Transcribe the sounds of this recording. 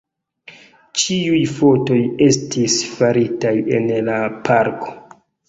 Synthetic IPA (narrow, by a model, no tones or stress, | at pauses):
t͡ʃiujfo̞to̞je̞stʰisfaɾitaje̞̰nlapʰaɾko̞̥